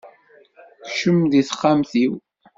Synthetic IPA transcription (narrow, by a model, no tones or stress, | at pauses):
θʃəmðiθəχːamθiw